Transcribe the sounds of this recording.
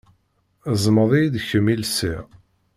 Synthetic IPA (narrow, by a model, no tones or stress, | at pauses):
zˤməðˤijd̪çəmːilsḭʁ